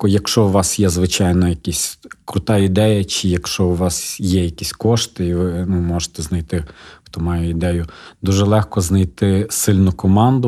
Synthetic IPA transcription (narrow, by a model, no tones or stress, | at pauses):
kɔjɐkʃɔʊʋɑsjɛzʋɪt͡ʃɑjnɔjɐkʲisʲkɾʊt̪ɑid̪ɛjɐt͡ʃɪjɐkʃɔʊʋɑsjɛjɐkʲisʲkɔʃt̪ɪiʋɪnumɔʒet̪ɛznɐjt̪ɪxt̪ɔmɑjɛid̪ɛjʊd̪uʒɛlˠɛxkɔznɐjt̪ɪsɪlʲnʊkɔmɑnd̪ʊ